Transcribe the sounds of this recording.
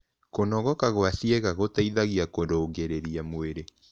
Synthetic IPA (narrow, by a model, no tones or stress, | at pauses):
konɔɣɔkaɣwaθieɣaɣotaiðaɣiakodoːɡeɾeɾiamoweɾe